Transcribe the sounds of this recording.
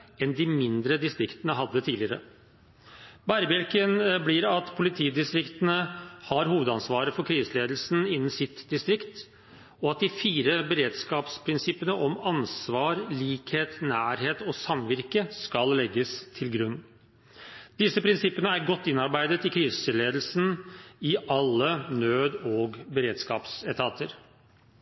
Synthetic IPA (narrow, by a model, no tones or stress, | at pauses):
ɛnd̪ɪmɪnd̪ɾəd̪ɪst̪ɾɪkt̪ənəɦɑd̪ːət̪ʰiːlɪəɾə̰ | bæɾbælkənbliːɾɑt̪pʰʊlɪt̪ʰiːd̪ɪst̪ɾɪkt̪ənəhɑɾɦuːʋəd̪ɑnsʋɑːɾəfɔɾkʰɾiːsəleːd̪l̩sn̩ɪnːn̩sɪt̪d̪ɪst̪ɾɪkt̪ | ɔɑt̪̚d̪ɪfiːɾəbəɾeːd̪skɑːpspʰɾɪnsɪpənəʔɔmɑnsʋɑːɾliːkheːt̪næːɾheːt̪ɔːsɑmʋɪɾkəskɑllɛɡːəst̪ʰɪlɡɾʉnː | d̪̥ɪsːəpʰɾɪnsɪpːənəæɾɡɔt̪ːɪnːɑɾbæɪd̪ət̪ɪkʰɾiːsəlːeːd̪l̩sn̩ɪʔɑlːənøːd̪oɡbəɾeːd̪skɑ̰ːpsɛt̪ʰɑːt̪əɾ